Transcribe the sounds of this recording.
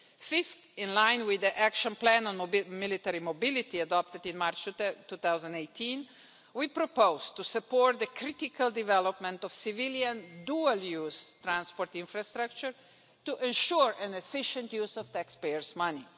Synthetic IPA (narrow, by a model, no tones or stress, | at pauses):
fɪftɪ̃nlãɪ̃nwɪd̪iʔækʃə̃nplæ̃nɔ̃nmɪlit̪ɛɾimobɪlɪt̪iadɔp̚t̪ədɪ̃nmaɾt͡ʃt̪uθawzə̃ndeɪt̪ʰĩn | wipɾɔpoʊzt̪usəpɔɹt̪̚ðəkʰɾɪt̪ɪkʰald̪ɪvɛlɔpmɛ̃nt̪ɔvsɪvɪljãnduəljuːz̥t̪ɾãnspɔɾt̪ɪ̃nfɾast̪ɾak̚t͡ʃəɹ | tuʔɛ̃nʃuɹɛ̃nɛfɪʃə̃ntjuːzɔvt̪ækspejəɹzmʌni